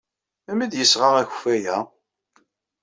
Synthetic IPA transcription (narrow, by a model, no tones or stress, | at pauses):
æmid̪jəsʁaʁæç̥fæjæ